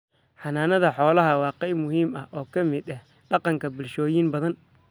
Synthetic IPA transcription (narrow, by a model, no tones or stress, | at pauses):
ħɑnaːnɐðɐħɔːlɐɦɐwɑːqɛjmʊɦiːmɐʔɔːkʰɐmɪd̪ɐh | ɖɑqɑŋkʰɐbɪlʃɔːjinbɐðɐn